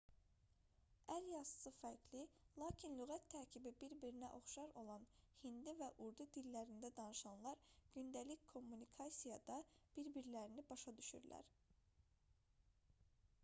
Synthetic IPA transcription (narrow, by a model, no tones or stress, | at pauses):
æɾjɑsɯ̥sɯfæɾklilˠɑːcʰinlyɣæt̪ʰːæɾcʰibibiɾbiɾinæʔo̞χʃɑɾo̞lˠɑnhind̪ivæʔuɾd̪ud̪ilːæɾind̪æd̪ɑnɯʃɑnlˠɑɾɟ̥ynd̪ælickʰo̞mːunikʰɑsijɑd̪ɑb̥iɾbiɾlæɾinibɑʃɑd̪yʃy̰ɾlæ̰ɾ